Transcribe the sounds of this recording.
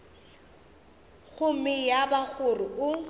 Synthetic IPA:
ɣʰʊmɪjabaɣʊrʊʊ

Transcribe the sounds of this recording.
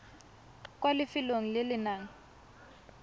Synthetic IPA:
kʼwalɪfɪloŋ̩lɪlɪnaːŋ̩

